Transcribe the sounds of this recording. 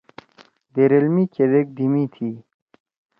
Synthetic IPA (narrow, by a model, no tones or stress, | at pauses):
d̪eɾelmiked̪ek̚d̪imit̪ʰi